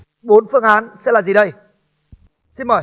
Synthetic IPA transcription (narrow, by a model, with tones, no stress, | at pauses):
ɓo˨˦nfɨ˧əŋʔaː˨˦nsɛ̰˧˥laː˨˩zi˨˩ɗə˧j | si˧nməː˨˩